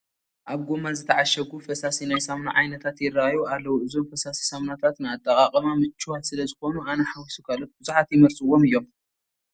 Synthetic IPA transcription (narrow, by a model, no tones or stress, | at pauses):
ʔaβɡomazɨt̪ʰɐʕaʃɐɡufɐsasinajsamna̰ʕajnɐt̪ʰat̪jɪrːaajualːɐwuʔɨzo̞mfɐsasi̥samnat̪ʰat̪nɨat̪ʼːɐkʼakʼmamɨt͡ʃːɨwat̪sɨlɐzɨxo̞nuʔanɐħawisukʰalot̪̚bɨzuħat̪jɪmɐlt͡sʼɨwːo̞mɨjːo̞m